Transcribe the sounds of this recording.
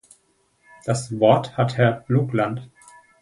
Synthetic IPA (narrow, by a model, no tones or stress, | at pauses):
d̥asvɔɐthathɛɐb̥luːklant